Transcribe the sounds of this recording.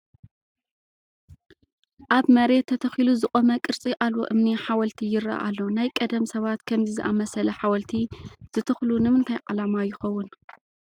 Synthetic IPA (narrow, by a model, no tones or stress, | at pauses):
ʔaβmɐɾe̞t̪ʰːɐt̪ʰɐxiluzɨxʼomɐkʼɨɾt͡sʼiʔalwo̰ʔɨmniħawɐlt̪ʰijɪɾɐ̰ʔa̰lːo̞najkʼɐd̪ɐmsɐβat̪kʰɐmzizɨʔamɐsɐlɐħawɐlt̪ʰiz̥ɨt̪ʰɐxlunɨmɨnt̪ʰajʕa̰lamajɪxɐwːʊn